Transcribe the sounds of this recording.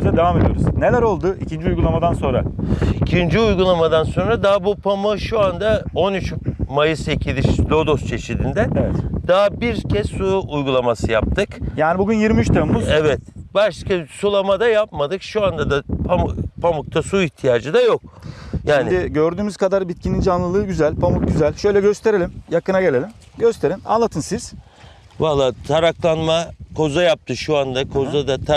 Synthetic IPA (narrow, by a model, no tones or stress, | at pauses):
izɛd̪e̞vaːme̞d̪ijo̞̰ɾuzne̞lʲæɾo̞lˠd̪ʊicʰind͡ʒiujɡulˠamad̪anso̞nɾa̰icʰind͡ʒiujɡulˠamad̪anso̞nɾad̪aɦabupʰamɯʃuand̪ao̞nyt͡ʃmajɯse̞cʰilʲiʃlʲo̞d̪o̞st͡ʃʰe̞ʃid̪ind̪ɛevɛt̪d̪̥aɦbiɾcʰɛzsuːjɡulˠamasɯjap̚t̪ʰɯkjaːnibuɟynjiɾmiyt͡ʃt̪ʰemuevɛt̪baʃkasulˠamad̪ajapmad̪ɯkʃuand̪ad̪apʰampʰamuk̚t̪ʰasuiçt̪ʰijaːd͡ʒɯd̪ajok̚jaːnid̪ɪɟø̞ɾd̪yːmyz̥kʰad̪aɾbit̪̚cʰinind͡ʒanlˠɯlˠɯːɟyzælʲpʰamuk̚ɟyzælʲʃø̞jlʲɛɟø̞st̪ʰe̞ɾelʲimjakɯnaɟe̞lʲe̞lʲim | ɟø̞st̪ʰe̞ɾina̰nlˠat̪ʰɯnsiz̥ | valˠːaːt̪ʰaɾaklˠanmakʰo̞zajap̚t̪ʰɯʃuand̪akʰo̞zad̪at̪ʰ